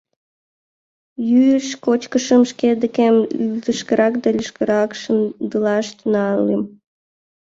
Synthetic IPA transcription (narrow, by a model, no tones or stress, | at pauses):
jyəʃkot͡ɕkəʃəmʃked̪əkemyld̪əʃkəɾɑkd̪ɑlʲəʃkəɾɑkʃəmd̪əlɑʃt̪nɑlem